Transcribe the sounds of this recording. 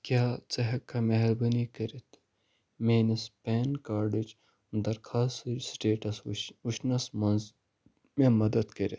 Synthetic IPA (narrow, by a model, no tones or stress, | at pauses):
kʲjaːt͡sɐɦɐkːameɦɐɾbɐnikɐɾit̪ʰ | meːnispeːnkaːɾɖid͡ʒ | nd̪ɐɾkʰaːssɨsʈeːʈɐsuʃnɐsmɐn | memɐd̪ɐd̪kɐɾit̪